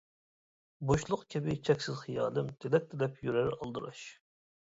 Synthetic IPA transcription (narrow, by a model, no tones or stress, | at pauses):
boʃlˠʊqkʲʰɪbɪt͡ʃʰɛkʲsɪzχijɑːlˠɨmt̪ʰed̪ɛk̚ʲt̪ʰɪlɛpʰjyɾæɾɑ̰lˠd̪ɨɾɑ̰ʃ